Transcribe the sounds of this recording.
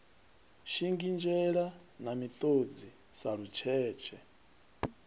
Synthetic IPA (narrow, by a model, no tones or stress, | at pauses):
ʃiŋɡind͡ʒɛɺa | namitʼod͡zi | saɺut͡ʃʰɛːt͡ʃʰɛ